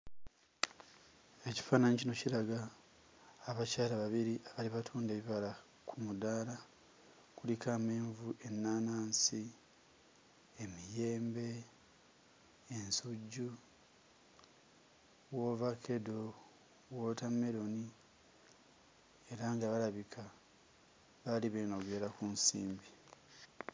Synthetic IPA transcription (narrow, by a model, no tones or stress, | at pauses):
e̞ci̥faːnanicino̞ciɾaɡaː | βacaːɾaβaβiɾiʔaβaliβatʰuːnde̞ːβiβaɾa | kʰumudaːɾa | kulikaːmeːɱvuʔe̞nːaːnaːnsi | emije̞ːmbe̞ | nsuɟːu | wo̞vakʰe̞do̞ | wotame̞ɾo̞ni | eɾaŋɡaβalaβikʰa | βaliβenoɡwe̞ːɾakunsḭːmbi